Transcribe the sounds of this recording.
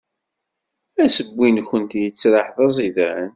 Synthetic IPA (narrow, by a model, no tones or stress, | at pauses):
æsəbʷːinçənt̪jət͡sːɾɑħðɑzˤiðæn